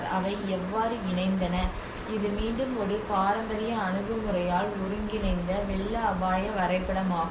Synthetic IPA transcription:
ɾɐ̰ʋɐɪɛʋːaːɾɯɪnɐɪnd̪ɐnɐ | ɪðɯmiːɳɖɯmɔɾɯpaːɾɐd̪ɐɾɪjɐːɳɯɣɯmɯrɐjaːlʊɾɯŋɡɪnɐɪnd̪ɐʋɛɭːɐɐbaːjɐʋɐɾɐɪpːɐɽɐmaː

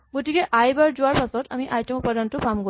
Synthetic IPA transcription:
ɡotikɛʔajbaɹzʊwaɹpasɔtʰamiʔajtɔmupːadantʊpamɡo

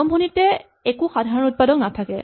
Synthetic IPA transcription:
ɔmbʱonitɛ | ekuxadʱaɹɔnut̚padɔknatʰakɛ̰

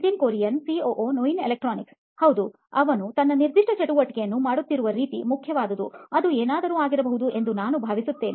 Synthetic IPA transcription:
d̪iŋkoːɾijɐnsioːʔoːnojinelek̚ʈɾoːniks | hɐwd̪u | ɐʋɐnut̪ɐnːɐniɾd̪ʱiʂʈʰɐt͡ʃɐʈuʋɐʈːikɛjɐnːumaːɽut̪ːiɾuʋɐɾiːt̪ḭmukʰːjɐʋaːd̪ɐd̪ṵɐd̪ueːnaːd̪ɐɾuːaːɡiɾɐbɐɦud̪uʔend̪unaːnubʱaːʋisut̪ːe̞ːni

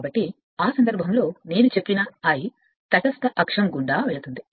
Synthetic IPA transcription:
bɐʈːi | aːsɐnd̪ɐɾbʱɐmlo̞ːne̞ːnut͡ʃe̞pːinɐɐːji | t̪ɐʈɐst̪ɐʔɐkʂɐmɡuɳɖaːʋeɭut̪und̪i

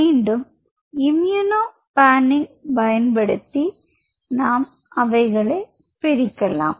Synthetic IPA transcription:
iːɳɖɯm | ɪmjunoː | paːnɪŋpɐjɐnpɐɽɯt̪ːi | naːm | ʔɐʋɐɪɣɐɭɐɪ | pɛɾɪkːɐla̰ːm

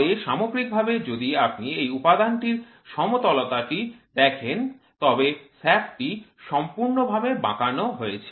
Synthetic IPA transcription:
ɾeʃamoɡɾik̚bʱabed͡ʑod̪iap̚niejupad̪anʈiɾ | ʃɔmot̪ɔlot̪aʈid̪ɛkʰent̪ɔbesɛfʈiʃɔmpuɾnobʱabebã̰kanoɦoet͡ɕʰe̥

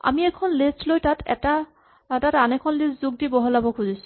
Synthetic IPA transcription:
a̰miɛkʰɔnlistlojtatʰɛ̰ta | tatanɛkʰɔnlistzuɡ̚dibɔɦɔlabɔkʰuzisʊ̥

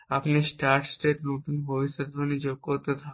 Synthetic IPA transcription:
apnisʈaɾʈsʈeʈnot̪unbʱobiʃod̪ʱonid͡ʑoɡ̚koɾt̪et̪ʰa

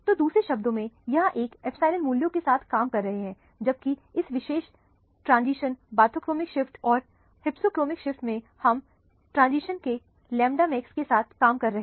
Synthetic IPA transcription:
t̪oːd̪uːsɾeʃɐb̚d̪õmẽjɐɦãʔeːkɛpʰsaːɪlə̃nmuːljõkesaːt̪ʰkaːmkɐɾːɐɦeɦɛ̃ː | d͡ʒɐb̚kiɪsʋɪʃeːʃ | ʈɾãːnziːʃənbaːt̪ʰoːkɾoːmɪkʃɪfʈɔːɾ | hɪpsoːkɾoːmɪkʃɪfʈmẽ | hɐm | ʈɾãːnziːʃənke | lɛ̃ːmɖamɛːkskesaːt̪ʰkaːmkɐɾːɐɦe

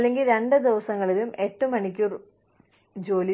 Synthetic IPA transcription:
lːe̞ŋɡilɾe̞ɳɖɨd̪iʋɐsɐŋːɐɭilume̞tːumɐɳik̬ʲːuːr | d͡ʑo̞ːli

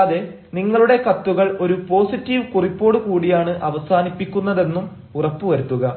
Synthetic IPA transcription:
ɐðe | niŋːɐɭuɽe̞kɐt̪ːuɣɐɭo̞ɾupo̞ːsitːiʋɨkuripːo̞ːɽukuːɽijaːɳɨʔɐʋɐsaːnipːikʲːunːɐðe̞nːum | urɐpːuʋɐɾut̪ːuɣɐ

